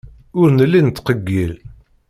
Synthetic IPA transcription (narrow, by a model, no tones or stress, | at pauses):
ʊɾnəlːint̪ːqəɡːil